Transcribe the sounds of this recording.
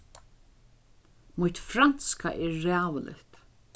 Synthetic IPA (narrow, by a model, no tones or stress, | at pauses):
mut̪fɾan̥skaʔɛɾːɛːwlɪ̰t̪